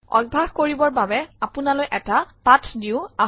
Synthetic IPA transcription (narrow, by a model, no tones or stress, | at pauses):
ɔ̰ɡ̚bʱaxkoɹibɔɹbabɛapunalojʔɛtapatʰdiʊa